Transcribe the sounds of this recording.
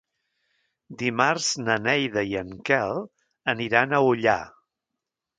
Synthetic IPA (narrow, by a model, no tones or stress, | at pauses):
d̪imarz̥nənɛjðəiəŋkɛlˠ | əniɾanəuʎa̰